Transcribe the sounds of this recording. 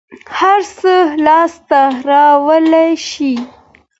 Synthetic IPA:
haɾsəlɑst̪aɾɑwəlajʃi

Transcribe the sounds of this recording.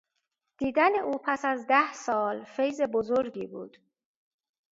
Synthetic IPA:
d̪̥iːd̪æneʔuːpʰæsæzd̪æhsɒːlfe̞jze̞bozoɾɟiːbuːd̪̥

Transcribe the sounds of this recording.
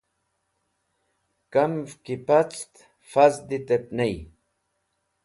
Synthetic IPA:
kɐmfkipɐt͡st̪ | fazd̪it̪ep̚nej

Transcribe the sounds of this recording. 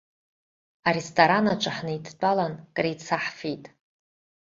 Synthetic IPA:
aɾestʰʼoɾanaʈ͡ʂʷʼaħnɨidʰt͡pʼalankʼret͡sʰaħfejtʼ

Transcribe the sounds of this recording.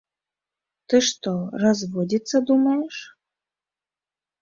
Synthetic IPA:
t̪ɨʃt̪orɑzβodʲit̪t͡sːad̪umɑjeʃ

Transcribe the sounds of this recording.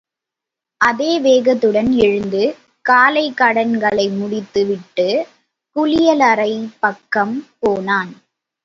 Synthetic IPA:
ʔɐðeːʋeːɣɐt̪ːɯɽɐnɛɻɯnd̪ɯ | kaːlɐɪkːɐɽɐnɡɐɭɐɪmʊɽɪt̪ːɯʋɪʈːɯ | kʊlɪjɐlɐɾɐɪpɐkːɐmpoːnaːn

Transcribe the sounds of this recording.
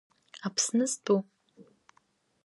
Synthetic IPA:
apʰsnɨzdʰʼu

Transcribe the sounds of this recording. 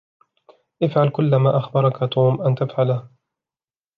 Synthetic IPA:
ʔɪfʕalkʊlːamaːʔaxbɑɾˤɑkat̪ʰˤuːmʔant̪afʕalah

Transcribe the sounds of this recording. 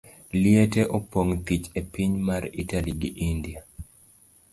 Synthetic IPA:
lieteʔopoŋt̪it͡ʃepiɲmaritaliɡḭʔindia

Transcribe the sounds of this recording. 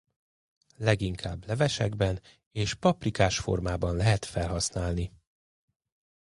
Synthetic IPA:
lɛɡiŋkʰaːblɛvɛʃɛ̰ɡbɛn | eːʃpɒprikaːʃfo̞̰rmaːbɒnlɛɦɛt̪fɛlɦɒsnaːlni

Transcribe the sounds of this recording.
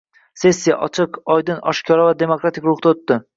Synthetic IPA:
se̞sʲːijaʔɒt͡ʃʰɪqɒjd̪ɪnɒ̰ʃkʲʰɒɾavad̪e̞mokɾat̪ʰikʲɾʊχt̪aot̪ːɪ

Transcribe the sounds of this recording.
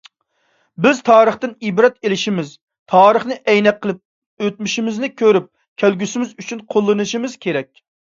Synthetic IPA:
bɪz̥t̪ʰɑːɾəχt̪ɨnibɾɛt̪elɪʃimɪz | t̪ʰɑːɾəχnɨʔɛjnɛqqʰːəlˠɨp̚ | øt̪̚myʃimɪznɪkʲʰøɾyp̚ | kʲʰælɡʲysɪmɪzyt͡ʃʰynqʰolˠːɨnɨʃimɪz̥kʲʰeɾɛk̚ʲ

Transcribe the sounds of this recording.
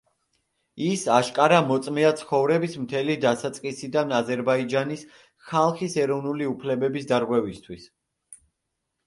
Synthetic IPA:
isaʃkʼaɾamɔt̪sʼmiat̪sʰχɔvɾɛbismt̪ʰɛlid̪asat̪sʼqʼisid̪anazɛɾbaid͡ʒanis | χalˠχisɛɾɔvnuliupʰlɛbɛbisd̪aɾɡwɛvist̪ʰwis

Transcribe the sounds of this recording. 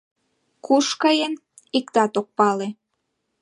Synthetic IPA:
kuʃkɑjen | ikt̪ɑt̪ok̚pɑle

